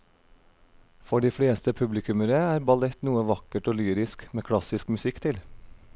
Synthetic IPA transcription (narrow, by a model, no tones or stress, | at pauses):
fɔɖiːfɽeːst̪əpʰʉblɪkʰʉməɾəæːɾbɑlɛt̪nuːəʋɑkəʈoːlyːɾɪskmeːkʰɽɑsɪskmʉsɪkt̪ʰɪl